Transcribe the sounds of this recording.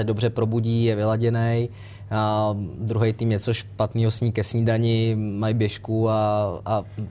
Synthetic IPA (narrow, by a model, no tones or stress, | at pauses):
ɛdo̞br̝ɛpɾo̞buɟiːjɛvɪlaɟɛnɛj | d̪ɾuɦɛjt̪iːmɲɛt͡so̞ʃpat̪niːɦosɲiːkɛsɲiːdaɲɪmajbjɛʃkuaa